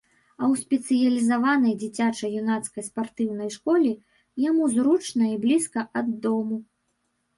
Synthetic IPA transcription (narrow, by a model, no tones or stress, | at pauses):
ɐwsʲpʲɛt̪sɨjɐlʲizavanɐjd͡zʲit͡sʲat͡ʂɐjunat̪skɐjspart̪ɨwn̪ɐjʂkɔlʲi | jamuzɾut͡ʂnɐiblʲiskɐʔɐd̪ːɔmu